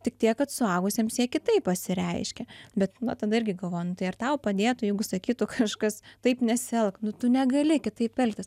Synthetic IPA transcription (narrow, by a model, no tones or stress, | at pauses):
t̪ʲɪk̚t̪ʲiɛkkɐt̪sʊɑːɡʊsʲeːmsjiɛkʲɪt̪ɐɪpɐsʲɪɾʲɛɪʃʲkʲɛbʲɛt̪nɐt̪ɐd̪ɐɪɾʲɡʲɪɡɐlˠʋoːjnʊt̪ɐɪɐrt̪ɐʊpɐd̪ʲeːt̪ʊjɛɪɡʊsɐkʲiːt̪ʊkʰɐʃkɐst̪ɐɪpnʲɛsʲɛlˠknʊt̪ʊnʲɛɡɐlʲɪkʲɪt̪ɐɪppʲɛlʲkt̪ʲɪs